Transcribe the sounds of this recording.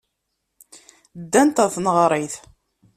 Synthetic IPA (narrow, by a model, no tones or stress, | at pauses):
d̪ːænt̪æθnəʁɾˤiθ